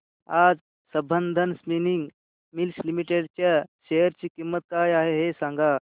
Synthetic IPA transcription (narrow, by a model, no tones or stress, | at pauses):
ad͡z | səbənd̪ʱənsminiŋɡ | milslimiʈeɽt͡ɕjaɕejəɾt͡ɕiːkimːət̪̚kajaɦeɦesãŋɡa